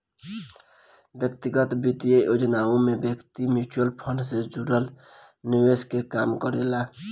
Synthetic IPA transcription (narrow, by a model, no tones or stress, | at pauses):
bjək̚t̪iɡət̪bit̪ijəjʔod͡ʒnaõmebjəkt̪imut͡ʃuəlpʰəɳɖsed͡ʒuɾəlniweskekamkəɾela